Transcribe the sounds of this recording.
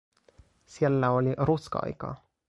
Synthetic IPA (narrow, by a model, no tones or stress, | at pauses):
sielːæoliruskɑ̰ɑ̰jkɑ̰